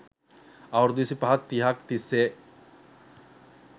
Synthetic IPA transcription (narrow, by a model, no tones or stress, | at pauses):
awɾd̪isipaɦat̪t̪ːiɦakt̪ise